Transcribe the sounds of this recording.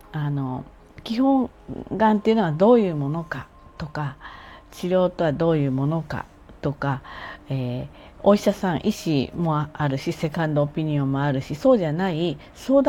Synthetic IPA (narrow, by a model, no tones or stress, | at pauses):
ano̞ | kʲihõ̞ŋ | ɡãnt̪e̞iɯ̟noad̪o̞ːjɯ̟ːmo̞no̞ka̰ | t̪o̞kat͡ɕiɾʲjo̞ːt̪o̞βad̪o̞ːjɯ̟ːmo̞no̞ka̰ | t̪o̞kaeː | oiɕasãɰ̃ʔiɕimo̞aɾɯ̟ɕise̞kãnd̪o̞ːpʲiɲ̟iõ̞mːo̞aɾɯ̟ɕiso̞ːʑanai | so̞ːd̪